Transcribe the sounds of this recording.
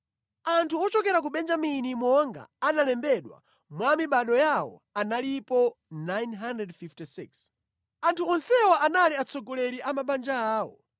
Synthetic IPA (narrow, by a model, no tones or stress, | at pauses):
antʰuɔt͡ʃɔkɛɾak̬uɓɛnd͡ʒaminimɔŋɡa̰ːnalɛmbɛɗwa̰ | mwamiɓaɗɔjawɔ̰analipɔnajnɦandɾɛdfiftisiks | antʰuɔnsɛwaʔanaliat͡sɔɡɔlɛɾiʔamaɓand͡ʒaaːwɔ̰